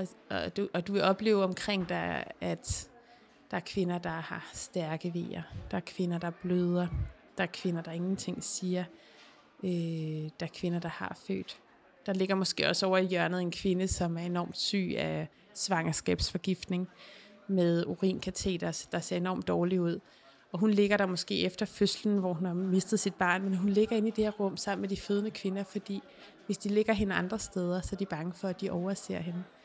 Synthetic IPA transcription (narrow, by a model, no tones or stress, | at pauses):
d̥uʔɒ̽d̥uʋe̝ɒ̽b̥le̝̰ːʊɒ̽mkʰʁeŋ̰d̥ɑæd̥ | d̥ɑ̈æɐkʰʋe̝nɐd̥ɑ̈hɑ̈sd̥æɐɡ̥əʋe̝̰ːɐd̥ɑ̈æɐkʰʋe̝nɐd̥ɑ̈b̥løð̞ˠɐ | d̥ɑ̈æɐkʰʋe̝nɐd̥ɑ̈e̝ŋn̩t͡sʰe̝ŋ̰siːɐ | ʔød̥ɑæɐkʰʋe̝nɐd̥ɑ̈hɑ̈fø̰ːd̥ | ɑ̈le̝ɡ̥ɐmɒ̽sɡ̥e̝̰ːɒ̽sɒʊɐijœɐnð̞̩ˠe̝nkʰʋe̝nəsɒ̽mæɐe̝nɒ̰ːmd̥sy̰ːæ | sʋɑ̈ŋɐsɡ̥ɛ̰ːb̥sfɒ̽ɡ̥ifd̥ne̝ŋ | meðˠoʁḭːnkʰæt͡sʰe̝̰ːd̥ɐsd̥ɑ̈se̝̰ɐe̝nɒ̰ːmd̥ɒːliuð̞̰ˠ | ɒ̽ɦunle̝ɡ̥ɐɾ̥ɑmɒ̽sɡ̥e̝̰ːefd̥ɐføsln̩ʋɒhunhɑ̈me̝sd̥ð̞̩ˠsid̥̚b̥ɑ̈ːnmenɦunle̝ɡ̥ɐe̝nid̥e̝heɐʁɔ̽m̰sɑ̈m̰n̩med̥iføð̞ˠnəkʰʋe̝nɐfɒ̽d̥ḭː | ʋe̝sd̥ile̝ɡ̥ɐɦe̝nəɑ̈nd̥ʁɐsd̥eːð̞ˠɐsɒ̽æɐd̥ib̥ɑ̈ŋəfɒ̽æd̥iʔɒʊɐse̝ɐ̰ɦenə